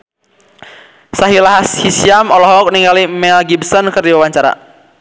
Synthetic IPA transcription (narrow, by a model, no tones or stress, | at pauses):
saɦilaɦashisiamɔlɔɦɔk̚niŋɡalimɛlɡibsɔnkɨrdiwawaɲt͡ʃaɾa̰